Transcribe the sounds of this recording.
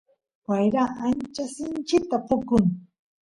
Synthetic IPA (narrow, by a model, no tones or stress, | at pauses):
wajɾaant͡ʃasɪnt͡ʃɪkt̪apʊkʊŋ